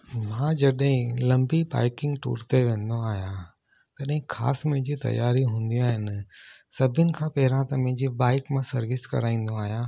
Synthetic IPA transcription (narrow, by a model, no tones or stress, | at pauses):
mãːd͡ʑɐɗɦɪ̃lɐ̃mbiba̰ːɪkɪ̃ŋɡʈo̰ːɾt̪eʋẽːn̆d̪oaːɦijã | t̪ɐɗɦɪ̃xʰa̰ːsmɐ̃ɦɪ̃ɲd͡ʑit̪ɐ̰jaːɾiɦũːn̆d̪iaːɦɪnɪ | sɐbʱɪnɪ̆kʰãːpɐɦɪɾãt̪ɐmɐ̃ɦɪ̃ɲd͡ʑibaːɪkmãsɐɾʋɪskɐ̰ɾaːĩːn̆d̪oaːɦijãː